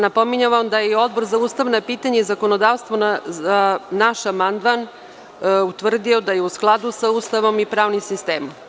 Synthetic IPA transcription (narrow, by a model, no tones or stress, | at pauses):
napo̞miɲaʋamd̪ajeio̞d̪̚bo̞ɾzauːst̪aʋnapiːt̪aɲeizakono̞d̪aʋst̪ʋonanaʃamand̪man | ut̪ʋr̩d̪io̞d̪aje̞usklˠad̪usaust̪aʋo̞mipɾaːʋnimsist̪eːmom